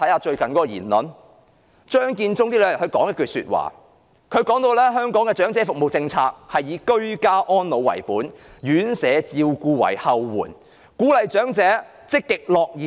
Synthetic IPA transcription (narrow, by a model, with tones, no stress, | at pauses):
ɐ˨˥jhaː˧t͡ʃɵ˧ɥkɐ˨nkɔː˨˦˥kɔ˧jḭː˨˩nlɔ˨n | t͡ʃœː˥ŋkiː˧nt͡sʊ˥ŋt̪iː˥lœː˨˧j̚hɵ˨˧ɥkɔː˨˥ŋjɛ˥kːyː˨˩sy̰ː˧t̚wa̰ː˨˩ | kʰɵ˨˧ɥkɔː˨˥ŋt̪o˧wlɛː˥ɦœː˥ŋkɔː˨˥ŋkɛː˧t͡ʃœː˨˥ŋt͡sɛː˨˥fʊ˨k̚mo˨wt͡sɪ˧ŋt͡sʰaː˧k̚hɐ˨jːiː˨˧kɵ˥ɥkaː˥ʔɔː˥nlo˨˧wɐ̰˨˩jpuː˨˥njyː˨˥nsɛː˨˧t͡siː˧wkuː˧wɐ̰˨˩jhɐ˧wːṵː˨˩n | kuː˨˥lɐ˨jt͡ʃœː˨˥ŋt͡sɛː˨˥ | t͡sɪ˥k̚t̪ɪ˨k̚lɔː˨k̚jiː˨